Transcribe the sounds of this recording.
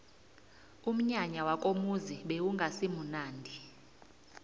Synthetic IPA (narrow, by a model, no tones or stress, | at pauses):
um̩ɲaɲawakʼomuziɓewuŋɡʱasimunaːndʱi